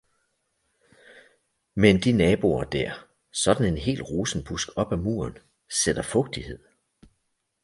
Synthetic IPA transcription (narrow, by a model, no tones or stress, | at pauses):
mend̥inɛːb̥o̝ɐd̥æɐ̰ | sɒ̽d̥n̩e̝nɦe̝̰ːlʁuːsn̩b̥usɡ̥ɒ̽b̥æmṵːɐn | sed̥ɐfɔ̽ɡ̥̚d̥ihe̝ð̞̰ˠ